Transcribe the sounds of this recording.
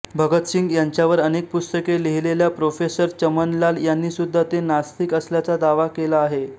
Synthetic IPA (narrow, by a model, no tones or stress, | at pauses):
bʱəɡət̪ɕiŋɡjaɲt͡ɕjaʋəɾənek̚pust̪əkeleɦileljapɾofesəɾt͡ɕəmənlaljanːiːsud̪ʱːat̪enast̪ikəsljat͡sad̪aʋakelaːɦe